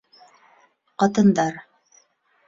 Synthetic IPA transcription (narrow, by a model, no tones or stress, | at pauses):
qɑt̪ɤ̆nd̪ɑɾ